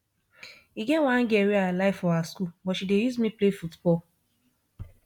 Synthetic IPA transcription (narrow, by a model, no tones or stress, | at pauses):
iɡeŋʷãŋ̩ɡeɾialaɪfɔaskubɔʃidejuzmiplefutbɔl